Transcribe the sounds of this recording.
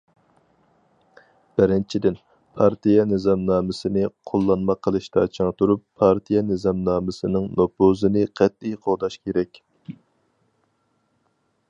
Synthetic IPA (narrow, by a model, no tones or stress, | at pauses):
b̥ɪɾɪnt͡ʃʰid̪ɪn | pʰɑɾt̪ʰijɑnɨzɑmnɑːmɪsɨnɪqʰolˠːɑnmɑqʰəlˠɨʃt̪ɑt͡ʃʰɑŋt̪ʰuɾupʰːɑɾt̪ʰijɛnɪzɑmnɑːmɪsɨnɨŋnopozɨnɨqʰɛt̪̚ijqʰoʁd̪ɑʃkʲʰeɾɛkʲ